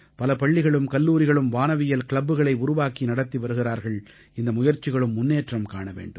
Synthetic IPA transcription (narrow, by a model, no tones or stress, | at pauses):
pɐlɐpɐɭːɪɣɐɭɯmkɐlːuːɾɪɣɐɭɯmʋaːnɐʋɪjɐlkɪɭɐbːɯɣɐɭɐɪʊɾʊʋaːkinɐɽɐt̪ːiʋɐɾɯɣɪɾaːɾɣɐɭ | ɪnd̪ɐmʊjɐɾt͡ʃːɪɣɐɭɯmːʊnːeːʈrɐmkaːɳɐʋḛːɳɖɯm